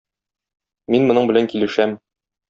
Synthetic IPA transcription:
minmŏnɤɴbɘ̆læŋkilɘ̆ʃæm

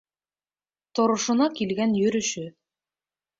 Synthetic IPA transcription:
t̪ŏɾŏʃŏnɑkilɡænjɵ̆ɾɵ̆ʃɵ

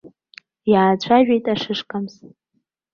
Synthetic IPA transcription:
jaːt͡ɕʷʰaʒᶣejtʼaʂɨʂkʼamz

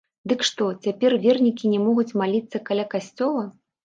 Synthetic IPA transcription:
d̪ɨkʂt̪ɔt͡sʲapʲɛrvʲɛrnʲikʲinʲɛmɔɣut͡sʲmalʲit̪sːɐkalʲakasʲt͡sʲɔlˠɐ

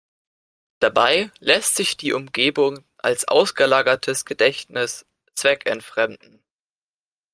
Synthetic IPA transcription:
d̥abaɪlɛstz̥ɪçd̥iːʔʊmɡeːbʊŋ | ʔa̰lsʔa̰ʊsɡ̥əlaːɡɐtʰəsɡ̥ədɛçtnɪs | t͡sv̥ɛkɛntfʁ̥ɛmdn̩

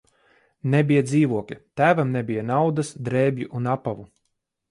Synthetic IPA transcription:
nɛbijad̪ziːvuɔkʲit̪æːvamnɛbijanawd̪asd̪ɾɛːbʲjiʔunapavu

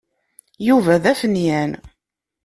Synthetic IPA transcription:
juvæðæfənjæn

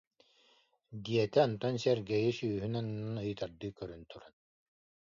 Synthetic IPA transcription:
d̪iɛt̪ɛɔnt̪ɔnsɛɾɡɛjisyːɦynɔnɯnːanɯjt̪aɾd̪ɯːkœɾynt̪uɾan

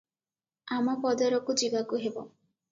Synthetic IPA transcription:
amɔpɔd̪ɔɾɔkud͡ʒibakuɦebɔ̰

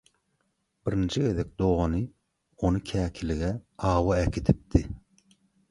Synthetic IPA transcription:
b̥ɪɾint͡ʃʰiɡʲed̪ɛk̚ʲd̪oʁɑnɨ | onɨkʲʰɛːkʲʰilɪɡʲɛɑːwɑɛkʲʰit̪ʰɪp̚t̪ʰɪ

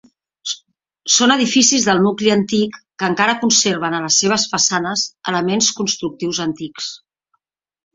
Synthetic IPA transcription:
sonəðifisizðəlˠnukliənt̪ikːəŋkaɾəkunseɾβ̞ənələsːeβ̞əsfəsanəzə̰ləmenskunst̪ɾuk̚t̪iwzənt̪iks

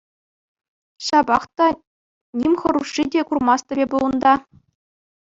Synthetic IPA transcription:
ɕɑbɑχt̪ɑ | nʲimʲχɤ̆ɾuʂːidʲekurmɑst̪ʲɘ̆bʲebulˠɤ̆nd̪ɑ

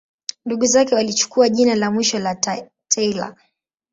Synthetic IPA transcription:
nduɠuzakɛwalit͡ʃu̥kuaʄinalamwiʃɔla | tʰɛila̰

